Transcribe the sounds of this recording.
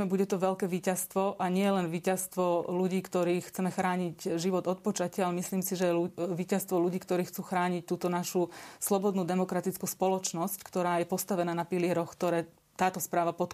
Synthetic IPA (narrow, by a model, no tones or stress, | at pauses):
buɟɛt̪ɔʋɛʎkɛːʋiːcast̪ʋɔʔaɲɪɛlɛnʋiːcast̪ʋɔluɟiːkt̪ɔɾiːxt͡sɛmɛxɾaːɲicʒiʋɔd̪ɔt̪̚pɔt͡ʃacɪalɛmisliːmsiʒɛuʋiːcast̪ʋɔluɟiːkt̪ɔɾiːxt͡suːxɾaːɲic̚t̪uːt̪ɔnaʃuslɔbɔd̪nud̪ɛmɔkɾat̪it͡skuspɔlɔt͡ʃnɔsckt̪ɔɾaːjɛpɔst̪aʋɛnaːnapilɪɛɾɔxkt̪ɔɾɛː | t̪aːt̪ɔspɾaːʋapɔt̪